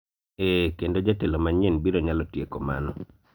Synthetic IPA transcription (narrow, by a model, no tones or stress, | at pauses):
ekendod͡ʒatelomaɲenbiɾoɲalɔtjekɔ̰ma̰nɔ